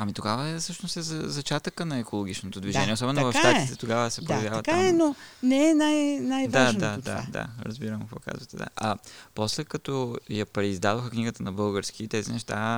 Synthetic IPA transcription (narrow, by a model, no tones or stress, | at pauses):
ɐmit̪oɡavəɛsɤʃnost̪ɛzɐzɐt͡ʃat̪əkənɐɛkʰolˠoɡ̟it͡ʃnot̪od̪viʒɛnʲiɛosɔbɛnʊvɐfʃt̪ait̪ɛt̪oɡavəsɛpojɐvjavvət̪aɛnonɛɛnajnajd̪aʒad̪a̰d̪a̰ɾə̰zbiɾəmkkvɔ̰ka̰zvət̪ɛd̪a̰ʔɐpɔslɛkɐt̪ɔjɐpɾɛizd̪ad̪oxəkniɡət̪ənɐbɤlˠɡəɾsk̟iːt̪ɛzinɛʃt̪a